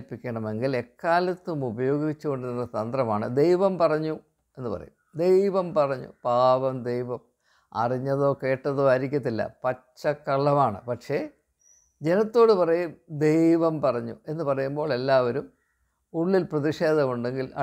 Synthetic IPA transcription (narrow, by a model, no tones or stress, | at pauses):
pːikʲːɐɳɐme̞ŋɡile̞kːaːlɐt̪ːumubɐjo̞ːɡiit͡ɕːuko̞ɳɖɨninːɐt̪ɐnd̪rɐmaːɳɨd̪e̞jʋɐmpɐrɐɲːu | e̞nːɨpɐ̰rɐ̰jumd̪e̞jʋɐmpɐrɐɲːṵpaːʋɐmd̪ejʋɐm | ɐ̰riɲːɐðo̞ːke̞ːʈːɐðo̞ːɐɾik̬ʲːɐt̪ːilːɐ̰pɐt͡ɕːɐkːɐɭːɐmaːɳɨ̰pɐʈʂe̞ | d͡ʑe̞nɐt̪ːo̞ːɽɨpɐrɐjumd̪e̞jʋɐmpɐrɐɲːṵe̞nːɨpɐrɐjumbo̞ːɭe̞lːaːʋɐɾum | uɭːilprɐðiʂe̞ːd̪ɐɣoɳɖe̞ŋɡilʔɐ̰